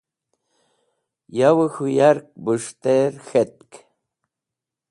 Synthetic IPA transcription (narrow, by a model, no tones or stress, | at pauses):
jawəxujaɾk̚bɨʂt̪eɾxet̪̚k